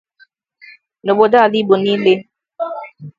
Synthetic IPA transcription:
no˨bo˨da˦˨li˦bo˨ni˦le˦

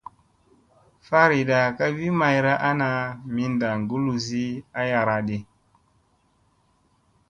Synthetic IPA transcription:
fa˦ɾi˨ɗa˨ka˦vi˦ma˨jɾa˦ʔa˦na˨mi˦nda˨ŋɡu˦lu˨zi˦a˦ja˨ɾa˨ɗe˨

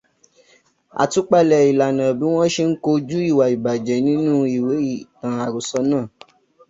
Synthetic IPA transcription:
a̰˨tu˨˦k͡pa˦˨lɛ˨i˨la˨nã˨bĩ˨˦w̃ɔ̃˦ʃe˧ŋ̩˦ko˧d͡ʒu˦i˦˨wa˨i˨ba˨d͡ʒɛ˨˦nĩ˨˦nũ˦i˦˨we˨˦i˦˨tã˨a˨ɾo˨sɔ˧nãː˦˨

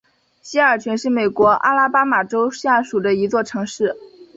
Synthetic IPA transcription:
ɕi˥ə˞˨˩t͡ɕʰɥɛ˧˥nʂɻ̩˥˩me˨˩ɪkwɔ˧˥ʔa̰˥la˥pa˥ma˨˩ʈ͡ʂo˥ʊɕja˥˩ʂu˨˩d̪ə˦i˧˥t͡swɔ˥˩ʈ͡ʂʰɤ˧˥ŋʂɻ̩˥˩

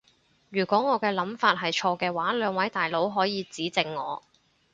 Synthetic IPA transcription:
jyː˨˩kʷɔː˨˥ŋɔː˨˧kɛː˧lɐ˨˥mfaː˧t̚ɦɐ˨jt͡ʃʰɔː˧kɛː˧waː˨˥lœː˨˧ŋwɐ˨˥jt̪aː˨jlo˨˥wɦɔː˨˥jiː˨˧t͡siː˨˥t͡sɪ˨˧ŋːɔ̰ː˨˧

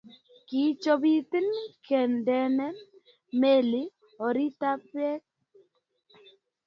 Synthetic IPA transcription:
ki˨t͡ʃo˦bi˦t̪ɪ˦nkʰɛ˨ndɛ˦nɛ˦ | me˦˨lɪ˦ | ɔ˨ɾi˦ta˦pjɛ˦k̚

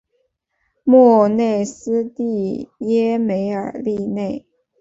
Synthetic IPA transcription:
mɔ˥˩ne˥˩ɪsɹ̩˥t̪i˥˩jɛ˥me˧˥ɪə̰˞˨˩li˥˧ne˥˩ɪ

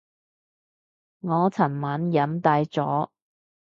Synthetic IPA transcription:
ŋɔː˨˧t͡sʰɐ˨˩nmaː˨˥njɐ˨˥mt̪aː˧jt͡sɔ̰ː˨˥

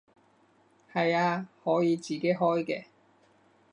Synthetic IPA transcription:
hɐ˨jaː˧hɔː˨˥jiː˨˧t͡siː˨ke˨˥jɦɔː˥jkɛː˧

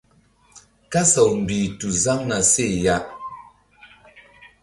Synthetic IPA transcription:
ka˦sa˨wm̩˨bi˨tu˨za˦ŋna˨se˦˨ja˦ʔ

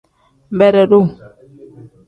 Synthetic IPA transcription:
m˨bɛ˦ɾɛ˨ɗu˦

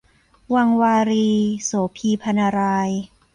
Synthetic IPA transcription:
wa˧ŋwaː˧ɾiː˧soː˩˦pʰiː˧pʰa˧naː˧ɾaː˧j

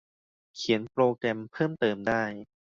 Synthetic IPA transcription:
kʰi˩˦ənpɾoː˧kɾɛ˧mpʰɤː˥˩mt̪ɤː˧mdaː˥˩j

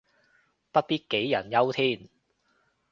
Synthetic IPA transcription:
pɐ˥t̚piː˥t̚ke˨˥jjɐ˨˩njɐ˥wt̪ʰiː˥˩n

